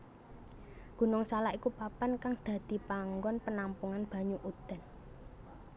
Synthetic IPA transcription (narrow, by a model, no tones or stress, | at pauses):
ɡ̥ṳnɔŋsalaʔikupapankaŋd̪̥ä̤d̪̥i̤paŋɡɔnpənampuŋanb̥a̤ɲuʔud̪̥a̤n